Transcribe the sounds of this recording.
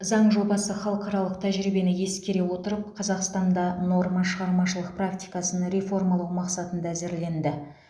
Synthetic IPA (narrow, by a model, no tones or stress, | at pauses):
zɑɴʒo̞bɑsəχɑlˠəqɑɾɑlˠəqt̪ʰæʒɾijbe̞nɪje̞skʲe̞ɾe̞wo̞t̪əɾəp̚qʰɑzɑqst̪ɑnd̪ɑno̞ɾmɑʃəʁɑɾmɑʃəlˠəq̚prakt̪ʲijkɑsənɾe̞fo̞ɾmɑlˠuwmɑqsɑt̪ənd̪ɑːze̞ɾle̞nd̪ɪ